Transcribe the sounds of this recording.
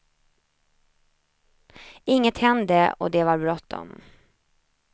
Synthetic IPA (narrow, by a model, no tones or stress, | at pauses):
ɪŋːət̪hɛnd̪əɔ̰d̪ɛvaɾbɾɔt̪ʰːɔ̰m